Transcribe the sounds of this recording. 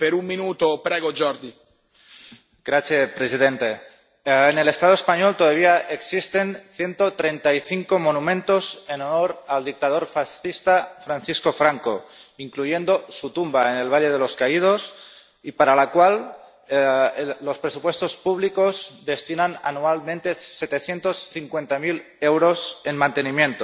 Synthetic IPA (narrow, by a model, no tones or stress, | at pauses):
peɾumminuːt̪opɾɛɡod͡ʒɔɾd̪i | ɡ̥ɾaθjepɾesið̞ent̪e | enelest̪að̞oespaɲolt̪oðaβ̞iaʔeksist̪enθje̞nt̪ot̪ɾent̪aiθiŋkomonumẽnt̪ozenonoɾald̪ik̚t̪aðoɾfasθist̪afɾanθiskofɾaŋkoiŋkluje̞nd̪o̞sut̪umbaene̞lβaʎe̞ð̞elo̞skaið̞os | ipaɾalakwal | lːo̞spɾesupwe̞st̪o̞spuβlikozd̪e̞st̪inana̰nualmẽnt̪e̞set̪e̞θje̞nt̪o̞sθiŋkwent̪amil | ewɾo̞se̞nmãnt̪e̞nimje̞nt̪o